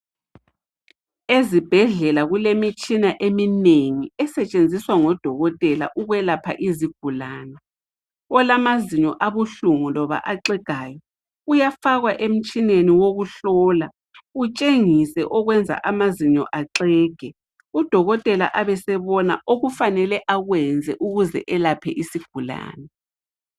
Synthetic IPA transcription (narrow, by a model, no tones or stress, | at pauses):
ezib̥ʱɛɮɛlaɣulemit͡ʃʼinaʔemineŋiɛsɛt͡ʃʼend͡zʱiswaŋɔd̥ʱɔɣɔtʼɛla̰ʔuɣwɛlapʰa̰ʔiziɡ̥ʱulaːnɛ | ɔlamaziɲɔʔaβuɬuŋulɔβa̰ʔaǁɛɡ̥ʱaːjɔ | ujafaɣwaʔem̩t͡ʃʼineniwoɣuɬɔːla | ut͡ʃʼeŋisɛʔɔɣwɛnd͡zʱa̰ʔamaziɲɔʔaǁɛːɡ̥ʱɛ | ud̥ʱɔɣɔtʼɛla̰ʔaβɛsɛβɔna̰ʔoɣufanɛlɛʔaɣwɛnd͡zʱɛʔuɣuzɛ̰ʔɛlapʰɛ̰ʔisiɡ̥ʱula̰ːnɛ